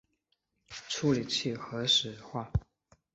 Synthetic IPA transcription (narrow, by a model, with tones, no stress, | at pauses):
ʈ͡ʂʰu˥li˨˩t͡ɕʰi˥˩xɤ˧˥ʂɻ̩˨˩xwa˥˩